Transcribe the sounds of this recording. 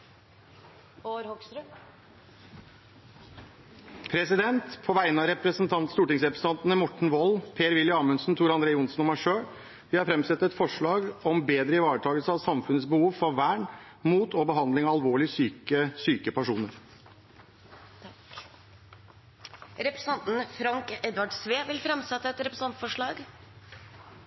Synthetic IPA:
ɾɔk̪ | pʰɾɛsɪd̪ɛnt̪pʰɔʋæɪənɑɾɛpɾəsnt̪ʰɑnt̪st̪uːʈɪŋsɾɛpɾəsn̩t̪ʰɑnt̪ənəmɔʈɳ̩ʋɔlpʰeːɾʋɪlːjəɑːmənsnt̪ʰuːɾɑnd̪ɾeːəʊnsnɔmæʂøː | ʋɪhɑɾfɾɛmsɛt̪ːɛt̪fɔʂɭɑːɡɔmbeːd̪ɾəɪʋɑːɾəʈʰɑːɡəlsəɑʋsɑmfʉnətsbəhuːʋfɔɾʋæːɳ | muːt̪ʰɔbəɦɑnd̪lɪŋɑɑlʋoːɭɪsyːkəsyːkəpʰæʂuːnəɾ | ɾɛpɾɑnt̪n̩fɾɑŋkɛd̪ʋɑɖsʋeːʋɪlfɾɛmsɛt̪ːəɛt̪ɾɛpɾsɑnt̪fɔʂɭɑːɡ

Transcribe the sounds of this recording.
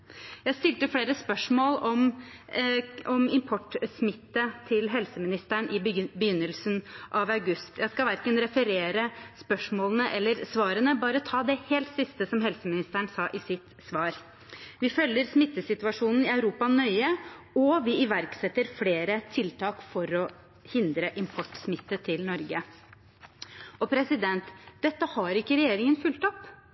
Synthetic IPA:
jæɪst̪ɪlt̪əfɽeːɾəspœʂmoːlɔm | ɔmɪmpʰɔʈːsmɪt̪ːət̪ʰɪlɦɛlsəmɪnɪst̪æɳʔɪbəjʏnːəlsənʔɑʋɑʉɡʉst̪jæɪskɑʋæɾkənɾɛfəɾeːɾəspœʂmoːlənəʔɛlːəɾsʋɑːɾənəbɑːɾət̪ʰɑːd̪ɛheːlt̪sɪst̪əsɔmɦɛlsəmɪnɪst̪æɳsɑːʔɪsɪt̪sʋɑːɾ | ʋɪfœlːəɾsmɪt̪ːəsɪt̪ʉɑʂuːnn̩ɪɑʉɾuːpɑnœʏə | ɔʋɪɪʋæɾksɛt̪ːəɾfleːɾət̪ʰɪlt̪ʰɑːkfɔɾɔ | hɪnd̪ɾəʔɪmpʰɔʈːsmɪt̪ːət̪ʰɪlnɔɾɡə | ɔpʰɾɛsɪd̪ɛnt̪d̪̥ɛt̪ːəhɑɾɪkːəɾɛjeːɾɪŋənfʉlt̪ɔp

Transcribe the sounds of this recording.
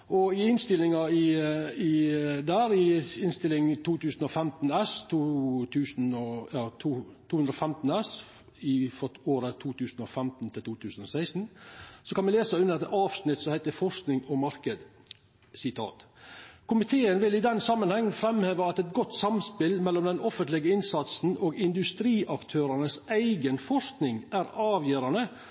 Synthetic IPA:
ʔɔɪɪnst̪ɪlɪŋɑɪɪd̪æːɾɪɪnst̪ɪlːɪŋt̪ʰuːt̪ʉːsn̩ɔfɛmt̪n̩ɛst̪ʰuːt̪ʰʉːsnɔɑːt̪ʰuːt̪ʰuːʉnd̪ɾɔfɛmt̪n̩ɛs | ɪfɔoːɾət̪ʰuːt̪ʰʉːsn̩ɔfɛmt̪n̩t̪ʰɪlt̪uːt̪ʰʉːsn̩ɔsæɪsn̩sɔkɑnʋɪleːsəʉnːəɾɛt̪ɑːʋsnɪt̪ːsɔmhæɪt̪əfɔʂknɪŋɔmɑɾkəd̪ | sɪt̪ʰɑ̰ːt̪kʰʊmɪt̪ʰeːənʋɪlɪd̪ɛnsɑmːənhɛŋːfɾɛmheːʋəɑt̪ɛt̪ɡɔt̪ːsɑmspɪlmɛlːɔmd̪ɛnɔfənt̪lɪɡəɪnsɑt̪sn̩oːɡɪnd̪ʉst̪ɾiːʔɑkt̪ʰøːɾɑnəsæɪɡənfɔʂknɪŋʔæɾɑːʋjøːɾɑnə

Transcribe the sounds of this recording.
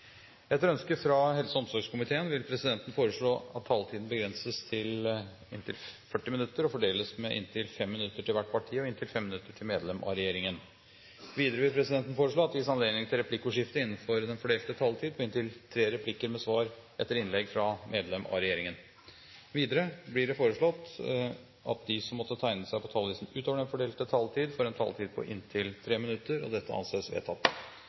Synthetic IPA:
ɛt̪ːəɾœnskəfɾɑhɛlsəɔmsɔɾɡʂkʊmɪt̪ʰeːənʋɪlpʰɾɛsɪd̪ɛnt̪ən̩foːɾəʂɭoːɑt̪ʰːɑlt̪ʰiːd̪n̩bəɡɾɛnsəst̪ʰɪl | ɪnt̪ʰɪlfœʈːɪmɪnʉt̪ːəɾɔfɔɖeːləsmɛʔɪ̰nt̪ʰɪlfɛmːɪnʉt̪ːəʈɪlʋæʈːpʰɑʈʰiːɔɪnt̪ʰɪlfɛmːɪnʉt̪ːəʈʰɪlmeːd̪lɛmʔɑ̰ɾɛjeːɾɪŋən | ʋiːd̪əɾəʋɪlpʰɾɛsɪd̪ɛnt̪n̩foːɾəʂɭoːɑt̪ːʋɪsɑnleːɡ̪d̪nɪŋt̪ʰɪlɾɛpʰlɪkːuːʂɪft̪əɪnːn̩fɔɾd̪ɛnfɔɖeːlt̪ət̪ʰɑlt̪ʰiːd̪pʰɔɡʏnt̪ɪlt̪ʰɾeːɾɛpʰlɪkːəɾmɛsʋɑːɾʔɛt̪ːəɾɪnlɛɡfɾɑmʔeːd̪lɛmɑ̰ɾɛjeːɾɪŋən | ʋiːd̪əɾəblɪɖɛfoːɾəʂɭɔt̪ː | ʔɑt̪̚d̪ɪsɔmːɔt̪ːət̪ʰæɪnəsæɪpʰɔt̪ʰɑlʋiːsn̩ʉːt̪oːʋəɖɛnfɔɖeːlt̪ət̪ʰɑlt̪ʰiːd̪fɔɾɛnt̪ʰɑ̰lt̪ʰiːd̪̚pʰɔ̰ʔɪ̰nt̪ʰɪlt̪ʰɾeːmɪnʉt̪ːəɾɔ̰d̪ɛt̪ːəʔɑ̰nseːsʋḛːt̪ʰɑt̪ː

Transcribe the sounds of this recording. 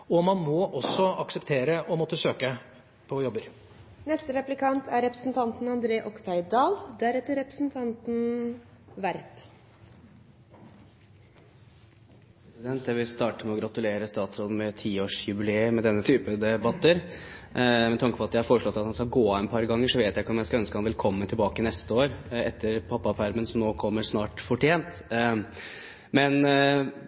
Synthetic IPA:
ɔmɑnmɔʔɔsːɔɑksəpt̪ʰeːɾəʔɔmɔt̪ːəsøːkə | pʰɔjɔbəɾ | nɛst̪əɾɛplɪkʰɑnt̪ʰæɾɛpɾəsn̩t̪ʰɑnt̪n̩ɑnd̪ɾeːʔɔkt̪ʰæɪd̪ɑːld̪ææɾɛt̪əɾɛpɾəsn̩t̪ʰɑnt̪n̩ | ʋæɾp | pɾɛsɪd̪ɛnt̪jæɪʋɪlst̪ɑːʈəmɛɔɡɾɑt̪ʉleːɾəst̪ɑːt̪sɾɔd̪mɛt̪ʰiːoːʂjʉbɪleːəmɛd̪ɛnːət̪ʰyːpəd̪ɛbɑt̪ːəɾ | mɛt̪ʰɑŋkə̥pɔɑt̪d̪ɛɪɑɾfoːɾəʂɭɔt̪ːɑt̪hɑnskɑlɡoːɑɛnpʰɑɾɡɑŋːəʂɔʋeːt̪jæɪkːəɔmjæɪskɑœnskəhɑnʋɛlkʰɔmːənt̪ʰɪlbɑːkənɛst̪əoːɾɛt̪ʰːəɾpʰɑpːɑpʰæɾmənsɔmnoːkʰɔmːəɾsnɑːʈfɔʈʰeːnt̪ | mɛn

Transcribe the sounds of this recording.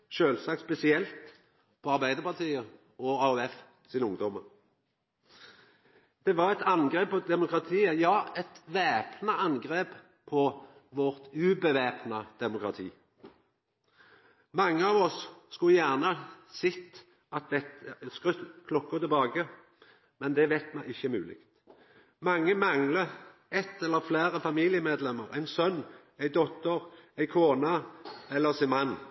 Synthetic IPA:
ʃøːlsɑk̚t̪spɛsɪɛlt̪ | pʰɔɑʁbæɪd̪əʁpʰɑʁt̪ʰiːə | ʔɔɑʉɛf | sɪnʊŋd̪ɔməʁ | d̪̥ɛʋɑʁɛt̪ɑnɡʁeːp̚pɔd̪ɛmʊkʁɑt̪ʰiːəjɑːɛt̪ʋeːpnəɑnɡʁeːp | pʰɔʋɔʁt̪ʉːbəʋeːpnɑd̪̥ɛmʊkʁɑt̪ʰiː | mɑŋːəɑʋɔsːkʉljæʁnəsɪt̪ː | ʔɑt̪ʋɛt̪skʁʉt̪kʰlɔkːət̪ʰɪlbɑːɡə | mɛnd̪ɛʋæɪt̪mɛɪɪçːəmʉ̰ːlɪ̰kt̪ | mɑŋːəmɑŋlə | ɛt̪ːɛlːəflæːɾəfɑmiːlɪəmeːd̪lɛmːəʁæ̰ɪnsœnː | æɪd̪ɔt̪əʁæɪkʰoːnɑɛlːəʁsɪnmɑnː

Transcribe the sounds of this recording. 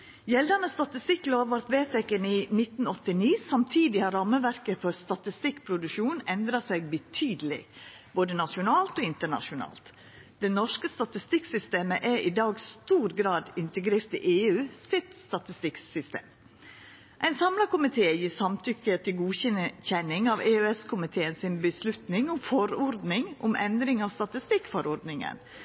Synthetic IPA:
jɛld̪ənəst̪ɑt̪ɪst̪ɪkːloːʋɑɾt̪ʋeːt̪ʰɛkəniːnɪt̪n̩ɔt̪ɪniːsɑmt̪ʰiːd̪ɪhɑɾɑməʋæɾkəfɔɾst̪ɑt̪ɪst̪ɪkpʰɾʊd̪ʉʃuːnɛnd̪ɾɑsæɪɡ̚bət̪ʰyːd̪əlɪ̰ | b̥oːd̪ənɑʃʊnɑːlt̪oːɪnt̪əɳɑ̰ʂʊnɑ̰ːlt̪ | d̪̥ɛnɔʂkəst̪ɑt̪ɪst̪ɪksʏst̪eːməʔɛɾʔɪd̪ɑːɡst̪uːɾɡɾɑːd̪ɪnt̪əɡɾeːɾt̪ɪ̰ʔeːʉːsɪt̪st̪ɑt̪ɪst̪ɪksʏst̪ḛːm | ʔæɪnsɑmlɑkʊmɪt̪ʰeːjiːsɑmt̪ʰʏkːət̪ʰɪlɡuːçɛnçɛnɪŋɑʋeːøɛskʰʊmɪt̪ʰeːənsɪnbəslʉt̪nɪŋʊmfɔɾɔɾd̪nɪŋʔʊmʔɛnd̪ɾɪŋɑʋst̪ɑt̪ɪst̪ɪkːfɔɾɔɾd̪nɪŋə̰n

